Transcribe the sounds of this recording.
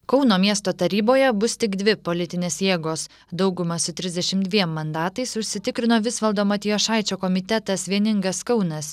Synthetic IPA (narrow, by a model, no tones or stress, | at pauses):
kɒʊnoːmʲiɛst̪oːt̪ɐɾʲiːboːjɛbʊst̪ʲɪɡd̪ʲʋʲɪpolʲɪt̪ʲɪnʲeːsjeːɡoːs | d̪ɒʊɡʊmɐsʊt̪ʲɾʲɪzd̪ʲɛʃʲɪmd̪ʲʋʲiɛmːɐnd̪ɑːt̪ɐɪsʊʃʲsʲɪt̪ʲɪkɾʲɪnoːʋʲɪsʋɐlˠd̪oːmɐt̪ʲɪjoːʃɑˑɪt͡ʃʲoːkɔmʲɪt̪ʲɛt̪ɐsʋʲiɛnʲɪŋɡɐskɒʊnɐs